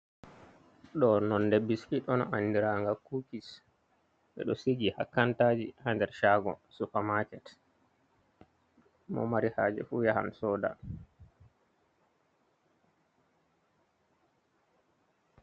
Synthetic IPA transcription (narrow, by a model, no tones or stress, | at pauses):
ɗɔnɔndebːiskiɗɔnɔ̰ʔandiɾaŋɡakukis | ɓɛ̰ɗɔsiɡihakːantad͡ʒihandɛɾʃaɡɔ̰sufamakɛt | mɔ̰maɾihaːd͡ʒɛ̰fujaha̰msɔːda̰